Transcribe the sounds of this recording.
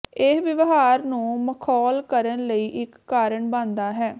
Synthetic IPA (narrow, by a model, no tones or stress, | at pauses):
esʋɪʋɦaːɾnũːməkʰɔːlkəɾənləiːʔɪkːaːɾəɳbãːnd̪aːɦɛː